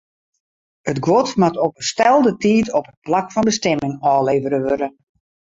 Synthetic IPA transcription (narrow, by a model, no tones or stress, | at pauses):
ətɡwɔtmatɔpəstɛlˠdətiːtɔpət̚plakfɔnbəstɛmɪŋɔːleːvəɾəʋøɾə